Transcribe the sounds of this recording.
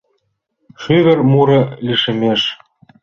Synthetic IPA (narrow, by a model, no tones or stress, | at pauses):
ʃyβɘ̆rmuɾɤ̆liʃɘ̆meʃ